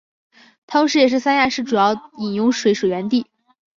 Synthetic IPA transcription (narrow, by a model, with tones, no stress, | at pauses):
t̪ʰɑ˥ŋʂɻ̩˧˥jɛ˨˩ʂɻ̩˥˩sa˥nja˥˧ʂɻ̩˥˩ʈ͡ʂu˨˩jɑ˥˩ʊi˨˩njʊ˥ŋʂwe˧˥ɪʂwe˨˩ɪɥɛ˧˥nt̪i˥˩